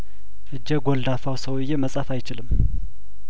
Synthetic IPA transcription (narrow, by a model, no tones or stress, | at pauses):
ʔɨd͡ʒːɛɡʷold̪afawsəwɨjːeməsʼafajt͡ʃɪlɨmː